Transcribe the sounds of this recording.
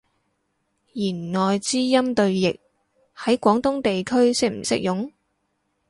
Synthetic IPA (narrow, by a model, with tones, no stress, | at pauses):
jiː˨˩nŋɔː˨jt͡siː˥jɐ˥mt̪ɵ˧ɥjɪ˨k̚ | hɐ˨˥jkʷɔː˨˥ŋt̪ʊ˥ŋt̪e˨jkʰɵ˥ɥsɪ˥k̚m̩˨˩sɪ̰˥k̚jʊ˨˥ŋ